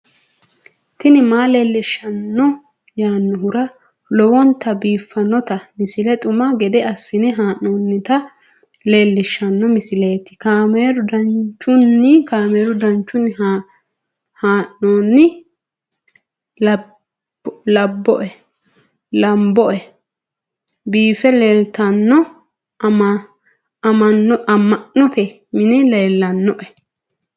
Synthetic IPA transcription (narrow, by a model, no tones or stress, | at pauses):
t̪ɪnɪmaːle̞ːlːɪʃːɐnːɔ | jaːnːɔɦʊɾɐ | lɔwɔnt̪ːɐbiːfːɐnːɔt̪ɐmɪsɪlɛt̪ʼʊmɐɡɛd̪ɛɐsːɪnɪɦaːʔːoːnːɪt̪ɐ | le̞ːlːɪʃːɐnːɔmɪsɪleːt̪ːɪ̥kaːmeːɾʊd̪ɐnt͡ʃʼːʊnːɪkaːmeːɾʊd̪ɐnt͡ʃːʊnːɪ | haːʔnoːnːɪ | lɐbːɔ̰ʔɛ | lɐmbɔʔɛ | biːfɛleːlt̪ɐnːɔ | m | ɐmɐnːɔʔɐmːɐʔnɔt̪ɛ | mɪnɛleːlːɐnːɔʔɛ